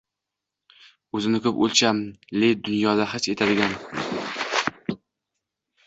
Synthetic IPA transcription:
ɵzɪnɪkʰʲʊpo̰lˠt͡ʃʰamled̪ʊnjɒd̪aɦat͡ʃe̞t̪ʰad̪ɪɡʲan

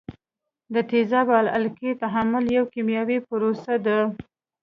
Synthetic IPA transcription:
d̪ət̪ezɑbɑla̰lket̪aɦamʊljawkimjɑwipʊɾosad̪a

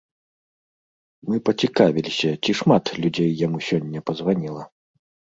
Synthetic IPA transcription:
mɨpɐt͡sʲikavʲilʲisʲɐt͡sʲiʂmat̪lʲud͡zʲejːamusʲɔnʲːɐpɐzvanʲilˠɐ

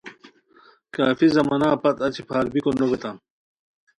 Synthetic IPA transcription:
kaːfizɐmɐnaːpɐt̪ɐt͡ɕʰipʰaːɾbikonnobet̪am

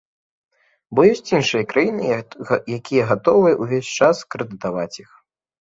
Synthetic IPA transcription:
bɔjɔsʲt͡sʲinʂɨjɐkɾajinɨjakʲʰijɐɣat̪ɔvɨjɐʔuvʲesʲt͡ʂaskɾɨd̪ɨt̪avat͡sʲjix

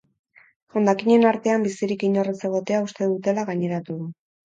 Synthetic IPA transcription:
ʝond̪akiɲe̞naɾt̪e̞ambisiɾikiɲo̞rese̞ɣ̞o̞t̪e̞aust̪e̞ðut̪e̞laɣaɲe̞ɾat̪uðu

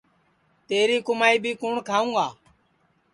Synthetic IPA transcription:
t̪eːɾiːkʊmaːiːbʱiːkoːɳkʰaːũːaː

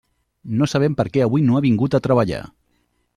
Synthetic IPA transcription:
nosaβ̞ɛmpəɾkɛəβujnoaβiŋɡut̪at̪ɾəβəʎa̰

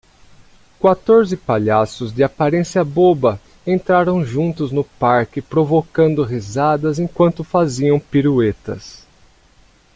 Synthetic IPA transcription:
kwat̪oɾzɪpaʎasʊzd͡ʒ̪ɪapaɾẽsjɐbobɐ | ẽnt̪ɾaɾɐ̃w̃ʒũnt̪ʊznʊpaɾkɪpɾovokɐ̃nd̪ʊɦizad̪ɐzẽkwɐ̃nt̪ʊfaziɐ̃w̃piɾuet̪ɐ̰s

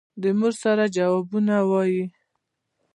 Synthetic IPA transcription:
d̪əmuɾsaɾad͡ʒawɑbunawɑji

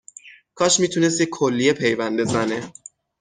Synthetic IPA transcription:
kʰɒːʃmiːt̪ʰuːne̞s̬t̪jekʰːolːijepʰe̞jvænd̪e̞zæne

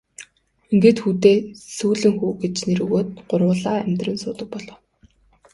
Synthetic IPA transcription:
iŋɡeːt̪xuːt̪eːsuːɮɘ̆ŋxuːɡet͡ɕneɾɵɣoːt̪ɢʊrwʊːɮaːæmʲt̪rə̆nsʊːt̪ə̆k̚pɔɮɞ̆w

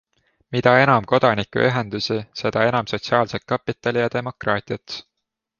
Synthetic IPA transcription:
mid̪̥ɑe̞nɑmko̞d̪ɑnikˑṵʔyɦe̞nd̪̥usise̞d̪̥ɑe̞nɑmso̞t̪siɑːlset̪̚kːɑpːˑit̪ːˑɑlʲijɑd̪̥e̞mo̞krɑːt̪ʲˑiɑt̪

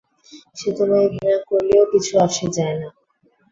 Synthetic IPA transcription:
ʃet̪onaebʱinakoɾleokit͡ɕʰuaʃed͡ʑaena

